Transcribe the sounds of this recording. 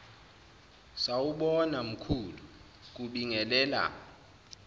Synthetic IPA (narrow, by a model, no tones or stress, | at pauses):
sawuɓɔnam̩kʰulu | k̬uɓiŋɛlɛːla̰